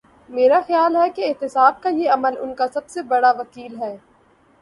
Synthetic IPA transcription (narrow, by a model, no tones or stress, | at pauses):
meːɾaxɐjaːlɦɛkeɪɦt̪ɪsaːb̚kajeɐməlʊ̰nkasɐbsebɐɽaʋɐkiːlɦɛː